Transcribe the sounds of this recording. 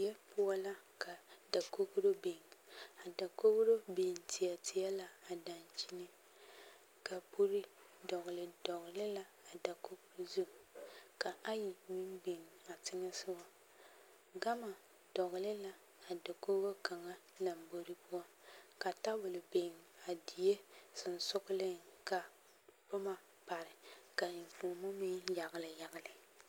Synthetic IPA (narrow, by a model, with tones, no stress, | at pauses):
jɛ˦pʊ˦ɔ˦la˦ka˨da˨ko˦kɾo˦be˨ŋa˨da˨ko˦ɣɾo˦be˨ŋ˨tɪ˨a˨tɪ˨a˦la˦a˨da˨nt͡ʃi˦nɪ˦ | ka˨pu˦ɾɪ˦dɔ˨ɣʊ˨lɪ˨dɔ˨ɣɪ˨lɪ˦la˦a˨da˨ko˦kɾo˦zu˦m˨ka˨ʔa˦ji˨mi˦mbe˨ŋa˨tɪ˦ŋɛ˦sɪ˦wa˦ | ɡa˦ma˨ | dɔ˨ɣʊ˨lɪ˦la˦ | a˨da˨ko˦ɡo˦ka˨ŋa˦la˨mbo˨ɾɪ˦pʊ˦a˦ka˨ta˦bʊ˨lɪ˨be˨ŋ˨a˨di˨je˦sɪ˨n˨sʊ˦ɣʊ˦lɪ˦ŋka˨ | bʊ˦ma˨ | pa˨ɾɪ˨ka˨ku˨mo˦mi˦ŋja˨ɣɪ˨lɪ˨ja˨ɣɪ˨lɪ˨